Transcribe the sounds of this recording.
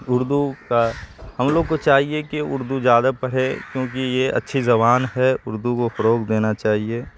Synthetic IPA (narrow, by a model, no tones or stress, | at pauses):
ʊɾd̪ukahɐmloːɡkot͡ʃaːɦiekiʊɾd̪uzjaːd̪apɐɽ̤ekjõːk̬ijeɐ̰tːʃʰizɐbaːnɦɛʊɾd̪ukofɐɾoːkd̪eːnat͡ʃaːɦieː